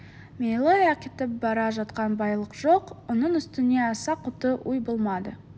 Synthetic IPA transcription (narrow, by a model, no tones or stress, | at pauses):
mʲejlˠojɑkʲet̪ɪp̚bɑɾɑʒɑt̪qɑnbɑjlˠəqʒo̞qwonəɴʏst̪ɪne̞ɑsɑqʰːʊt̪əʔujbolˠmɑd̪ə̰